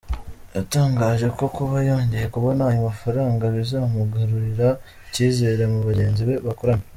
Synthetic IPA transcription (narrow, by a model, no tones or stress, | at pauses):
jataːŋɡaːʒe̞ko̞kuβajo̞ːɲɟeje̞kuβo̞naajumafaɾaːŋɡaβizamuɡaɾuɾiɾa | iciːzeːɾemuβaɟe̞ːnziβe̞βakoɾami